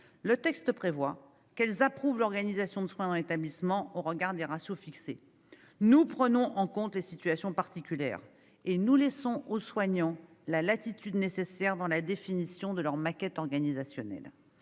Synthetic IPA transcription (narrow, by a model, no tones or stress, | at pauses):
lət̪ɛkst̪əpχevwa | kɛlzapχuvlɔʁɡanizasjɔ̃d̪əswɛ̃d̪ɑ̃let̪ablismɑ̃oʁəɡaʁd̪eʁasjofikse | nupχənɔ̃ʔɑ̃kɔ̃t̪lesit̪ɥasjɔ̃paʁt̪ikʲyljɛ̰ːʁ | enulɛsɔ̃ʔoswaɲɑ̃ | lalat̪it̪yd̪nesesɛʁd̪ɑ̃lad̪efinisjɔ̃d̪əlœʁmakʲɛt̪ɔʁɡanizasjɔnɛ̰l